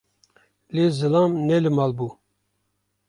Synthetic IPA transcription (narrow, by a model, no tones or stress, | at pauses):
lezɨlɑːmnɛlɨmɑːlbuː